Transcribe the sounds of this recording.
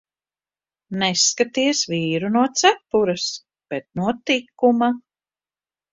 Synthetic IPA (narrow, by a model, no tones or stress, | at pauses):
nɛskat̪iɛsviːɾunuɔt̪sæpːuɾɐs | b̥ɛt̪̚nuɔt̪ikːuma